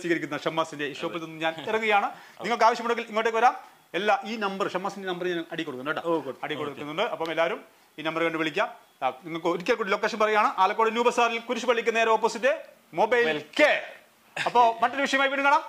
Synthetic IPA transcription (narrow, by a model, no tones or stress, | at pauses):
siːɣɐɾikʲːunːɐʂɐmːaːsinde̞iʂoːpːɐlt̪onːuɨɲaːnirɐŋːuɣɐjaːɳɨ | niŋːɐɭk̬ɨaːʋɐɕjɐmuɳɖeɡiliŋːoʈːekɨʋɐɾaːm | elːaʔiːnɐmbɐrʂɐmːaːsinde̞nɐmbɐrɲaːnɐɽikːoɽukːunːɐɽikkːoɽukːunːuɳɖɨʔɐpːɐmelːaːʋɐɾum | iːnɐmbɐrkeɐɳɖɨʋeɭikʲːɐ | niŋːɐɭkɨoɾikʲːɐlkuːɽilokːeːʂɐnpɐrɐjjaːɳɨʔaːlɐkːoɽɨnjuːbɐsaːɾilkuɾuʂubɐɭːikʲːunɐneɾɐoːpːoːsitːe | mobɐjlke | ɐpːo̞ːmɐtːoɾuʋiʂɐjɐmaːjiʋiːɳːɖɨŋkɐːɳaːm